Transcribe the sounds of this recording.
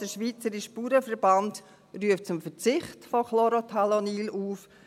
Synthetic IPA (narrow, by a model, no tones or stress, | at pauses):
d̥əʃʋiːt͡səɾiʃpuːɾəfəɾb̥ant | ryəft̚t͡sʊmfət͡sɪχtfɔkloɾotʰalɔniːluːf